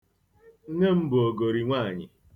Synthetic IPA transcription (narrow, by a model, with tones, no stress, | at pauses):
ŋ̩˦ne˦m̩˦bʊ˨o˨ɡo˨ɾi˨ŋʷaː˦˨ɲɪ̰˨